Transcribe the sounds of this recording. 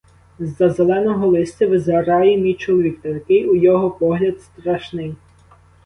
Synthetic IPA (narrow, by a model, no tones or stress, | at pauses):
zɐzelˠɛnɔɦɔlˠɪsʲt̪ʲɐʋɪzɐɾɑjimʲit͡ʃʊlˠʋʲikt̪ɔrkɪujɔɦɔpɔɦlʲɐd̪st̪ɾɑʃnɪj